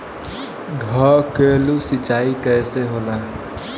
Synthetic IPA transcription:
ɡʱɔɾkeːlusɪt͡ʃaːikɛjseɦoːla

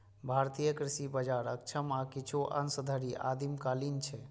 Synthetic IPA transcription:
bʱaɾt̪ijəkɾisibəd͡ʒaɾək̚t͡ʃʰəmakit͡ʃʰuʔə̰nsəd̪ʱəɾiʔa̰d̪imkalint͡ʃʰɛ

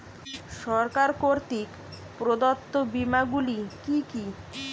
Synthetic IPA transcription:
ʃɔɾkaɾkoɾt̪ik | pɾod̪ot̪ːobimaɡulikiki

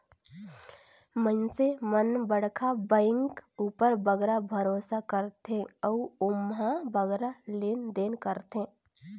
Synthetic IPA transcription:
mə̃nsemənbəɽkʰabə̃ɪŋkuːpəɾbəɡɾabʱəɾoːsakəɾt̪ẽɔːʊmɦãbəɡɾaleːnd̪eːnkəɾt̪ɦẽ

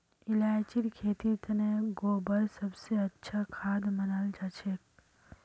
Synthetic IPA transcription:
ɪlaːjt͡ʃiɾkʰeːt̪it̪neɡoːbəɾsɐbseɐtːʃʰakʰaːd̪mɐnald͡ʒat͡ʃek

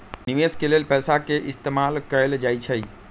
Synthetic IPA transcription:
niʋeskelelpɛːsakeʔist̪emalkəeld͡ʒajt͡ʃʰəj

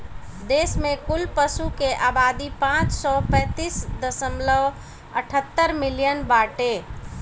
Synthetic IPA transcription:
d̪eːsmẽkʊlpəsukeʔaːbad̪ipãt͡ʃsɔpɛ̃ːt̪iːsd̪əsəmləʋ | əʈʰət̪ːəɾmɪlijənbaːʈe

